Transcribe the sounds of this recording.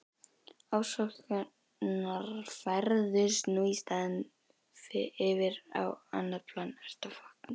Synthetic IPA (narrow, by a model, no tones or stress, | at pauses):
awsɔka | naɾfaɾðʏsnuist̪aðn | fɪɪvɪɾa̰wa̰nːaðpʰlanɛst̪afɔknɪ